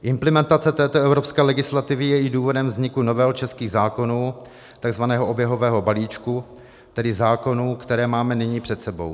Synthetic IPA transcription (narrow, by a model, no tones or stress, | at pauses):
ʔɪmplɛmɛnt̪at͡sɛt̪ɛːt̪oɛvɾopskɛːlɛɡɪslat̪ɪvɪjɛɪduːvo̞dɛmvzɲɪkunovɛlt͡ʃɛskiːɣzaːko̞nuː | t̪aɡzvanɛːɦoʔobjɛɦo̞vɛːɦo̞baliːt͡ʃku | t̪ɛdɪzaːko̞nuːkt̪ɛɾɛːmaːmɛnɪɲiːpr̝̥ɛt̪sɛbo̞̰w